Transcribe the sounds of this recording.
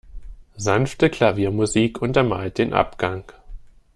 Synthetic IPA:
zanftəkʰl̥aviːɐmuziːkʔʊntɐma̰ːlt̚d̥eːnʔa̰pɡ̥aŋ

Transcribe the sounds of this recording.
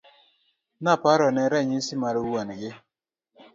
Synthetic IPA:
napaɾɔnɛɾɛɲisɪmaɾwonɡɪ

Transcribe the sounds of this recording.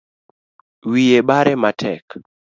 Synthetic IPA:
wijebaɾɛmatʰɛk

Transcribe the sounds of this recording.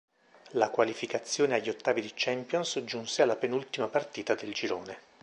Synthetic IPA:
lakwalifikat̪sːjoːneaʎːiot̪ːaːvid̪it͡ʃɛmpjonsd͡ʒunsealːapenult̪imapart̪iːt̪ad̪eld͡ʒiɾoːne

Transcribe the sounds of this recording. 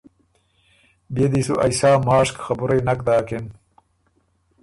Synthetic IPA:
bed̪iːsuʔɐ̰jsaːmaːʂkxɐbuɾeːnɐk̚d̪aːken

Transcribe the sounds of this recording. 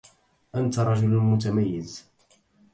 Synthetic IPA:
ʔant̪aɾˤɑʒʊlmʊt̪̬amajːɪz

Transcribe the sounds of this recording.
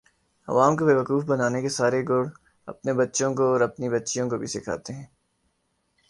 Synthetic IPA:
ɐ̰ʋaːmkobeːʋɐkuːfbɐnaːnekesaːɾeɡʊɽ | ɐ̰pnebɐtːʃõkoɔːɾɐpnibɐtːʃijõkobʱisɪkʰa̰ːt̪eɦɛ̃ː

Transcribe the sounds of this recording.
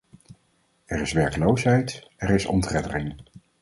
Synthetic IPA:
ɛɹɪsʋɛɹkəlowsɦɛjtɛɹɪsɔ̰ntrɛdərɪŋ

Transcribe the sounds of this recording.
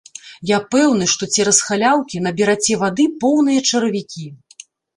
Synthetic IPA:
japɛwnɨʂt̪ɔt͡sʲɛɾɐsxalʲawkʲinɐbʲiɾat͡sʲɛvad̪ɨpɔwn̪ɨjɐt͡ʂɐɾɐvʲikʲi

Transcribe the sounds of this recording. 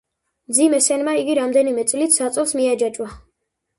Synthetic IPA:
md̪zimɛsɛnmaiɡiɾamd̪ɛnimɛt̪sʼlit̪ʰsat̪sʼɔlˠsmiad͡ʒat͡ʃʼwa

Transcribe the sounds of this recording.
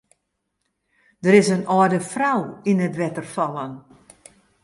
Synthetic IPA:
d̥əɾɪsənɔdəfrawinətʋɛtərfɔlˠən

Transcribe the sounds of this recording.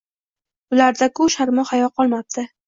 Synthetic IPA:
ʊlaɾd̪akʊʃaɾmɒhajɒqʰɒlˠmap̚t̪ʰɪ

